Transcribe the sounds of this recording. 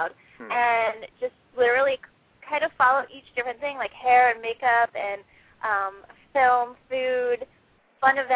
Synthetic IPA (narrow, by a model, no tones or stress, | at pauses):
ʊd | ɨ̃nd͡ʒʌst̚lɪɾə˞l̩ˠi | kʰãɪ̃ndʌ̥fɑlˠoʊʔit͡ʃd̥ɪfɹɨ̃nθɪ̃ŋlaɪkhɛɹɨ̃nmeɪkʌpɨ̃n | ʔʌ̃mfɪlˠmfʉd̥ | fʌ̃nɨvɛ̃